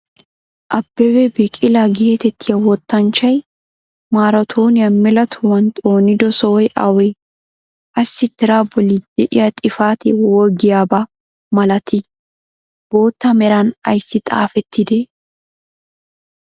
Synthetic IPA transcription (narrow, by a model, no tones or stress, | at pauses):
ʔɐbːɛwɛbɪkʼɪlaɡeːt̪ɛt̪ʰːɪjɐwɔt̪ːɐnt͡ʃːɐj | maːɾɔt̪ʰoːnɪjɐmɛlɐt̪ʰʊwɐnt̪ʼo̞ːnɪd̪ɔsɔwɔjʔɐ̰wɔj | ʔɐsːɪt̪ːɪɾaːbɔlɪd̪̥ɛʔɪ̰jɐt̪ʼɪfaːt̪ɪwɔɾɡɪjaːbɐ | mɐlɐt̪ʰɪ | b̥o̞ːt̪ːɐmɛɾɐnɐ̰jsːɪt̪ʼa̰ːfɛt̪ʰːɪd̪ɛ